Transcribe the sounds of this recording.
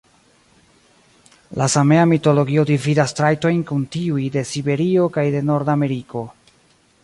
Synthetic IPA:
lasame̞amito̞lo̞ɡio̞dividastɾajto̞jnkuntiujde̞sibe̞ɾio̞kajde̞no̞ɾdame̞ɾiko̞

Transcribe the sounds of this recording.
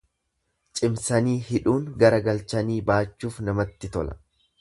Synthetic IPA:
t͡ʃʼɪmsɐniːhɪᶑuːŋɡɐɾɐɡɐlt͡ʃɐniːbaːt͡ʃːuːfnɐmɐt̪ːɪt̪ɔlɐ̥̰

